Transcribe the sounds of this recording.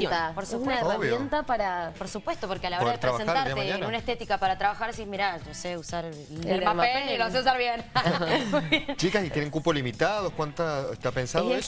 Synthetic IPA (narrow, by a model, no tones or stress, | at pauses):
t̪apoɾsusunaeraβjmjent̪apaɾapoɾsupwest̪opo̞ɾkealaoðɾeðɾet̪ɾeβasenaɾaɾeɲanunaest̪et̪ikapaɾat̪ɾaβaxaɾsieɦmiɾaʒoseusaɾ | elɾpapelniloseus̬aɾβjenmujβjent͡ʃikasit̪jeneŋkupolimit̪aðokwant̪aet̪eapensaðee